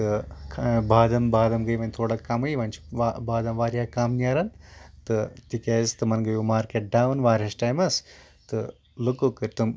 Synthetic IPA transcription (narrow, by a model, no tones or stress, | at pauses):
t̪ɨkbaːd̪ɐmbaːd̪ɐmɡɐjʋɐnʲt̪ʰoːɽɐkɐmɨjʋɐnt͡ʃʰʋabaːd̪ɐmʋaːɾjaːkaːmnaːɾɐnt̪ɨt̪ikʲeːzt̪ɨmɐnɡɐjumaːɾkeʈ̚ɖaːwnʋaːɾʲɐsʈaːjmɐs | t̪ɨ | lɨkukɨɾt̪ɨm